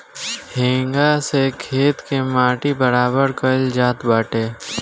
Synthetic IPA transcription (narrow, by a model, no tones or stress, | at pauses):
hẽːŋɡasekʰeːt̪kemaːʈibəɾaːbəɾkəld͡ʒaːt̪baːʈeː